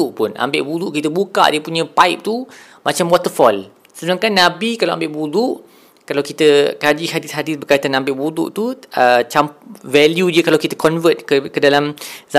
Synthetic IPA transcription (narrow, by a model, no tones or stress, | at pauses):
uʔpʊna̰mbɪʔbuɾuʔkit̪əbuka̰ʔdiəpuɲə̃paip̚t̪u | mat͡ʃamwɔt̪əfɔl | səbənaŋkanːãbikalawa̰mbɪʔbuɾuʔ | kalawkit̪əkad͡ʒihadɪshadɪsbərkajt̪anambɪʔbuɾṵʔt̪uət͡ʃamvɛljudiəkalawkit̪əkɔnvət̪̚kəkədalamza